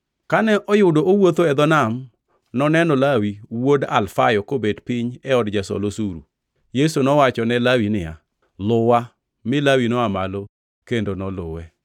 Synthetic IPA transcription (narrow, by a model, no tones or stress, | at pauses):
kanɛʔɔjʊdoʔowot̪oɛd̪ɔnam | nɔnɛnɔlawiwoda̰lfajɔkobedpɪɲɛɔdd͡ʒasɔ̰losuɾṵ | jesunɔwat͡ʃɔnɛlawinɪja̰ | lʊwa | mɪlawinɔamalo | kendonɔlʊwɛ